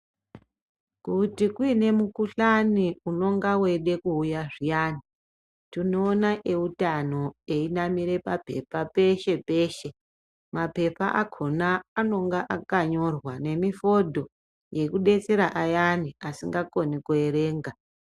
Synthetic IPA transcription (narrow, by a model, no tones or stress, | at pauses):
kutikuine̞mukuɬaniuno̞ŋɡawe̞ɗe̞kuːjaʐijani | tinoːnaʔe̞utano̞e̞inamiɾe̞pape̞̰pape̞ʃe̞pe̞ːʃe̞ | mape̞paʔakʰo̞naano̞ŋɡaʔakaɲo̞rwane̞mifo̞dʱo̞ | je̞kuɗe̞t͡se̞ɾaʔajaniasiŋɡako̞nikoeɾe̞ːŋɡa